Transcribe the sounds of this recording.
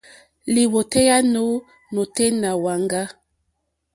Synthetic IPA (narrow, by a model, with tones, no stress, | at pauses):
li˨wo˨te˦ja˦no˦ | no˨te˦na˨wa˨ŋɡa˦